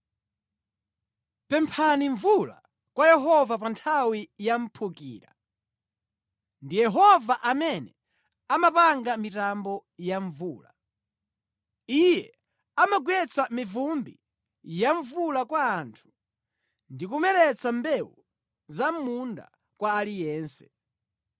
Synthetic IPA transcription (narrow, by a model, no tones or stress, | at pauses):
pɛmpʰaniɱvula̰ | kwajɛɦɔvapantʰawijam̩pʰukḭːɾa̰ | ndijɛɦɔvaʔamɛnɛ | amapaŋɡamitambɔjaɱvuːla | ijɛ | amaɡwɛt͡samivumbi | jaɱvulakwaːntʰu̥ | ndikumɛɾɛt͡sambɛwṵ | zamunda̰ | kwaːlijɛːnsɛ̥